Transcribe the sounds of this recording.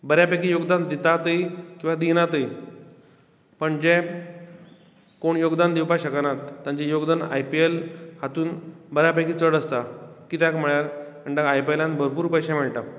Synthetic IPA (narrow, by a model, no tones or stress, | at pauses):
bəɾjapak̬ijoɡd̪and̪it̪at̪əjkĩw̃ʋad̪inat̪əj | pəɳd͡ʑɛ̃ | koɳjoɡd̪and̪iwpaɕəkanat̪ːãɲt͡ɕejoɡd̪ana̰jpielhat̪uːnbəɾjapakiːt͡səɽəst̪akit̪jãkm̤əɭjaɾəɳʈaɡajpielãnbʱəɾpuːɾpəɕamɛɭʈa